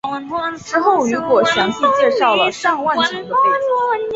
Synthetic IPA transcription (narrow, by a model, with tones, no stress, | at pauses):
ʈ͡ʂɻ̩˥xo˥˩ʊy˧˥kwɔ˨˩ʂə˧˥nt͡s̩˥˧t͡ɕjɛ˥˧ʂɑ˥˩ʊlə˩ʂɑ˥˧ŋwa˥˩nʈ͡ʂʰɤ˧˥ŋd̪ə˧pe˥˩˥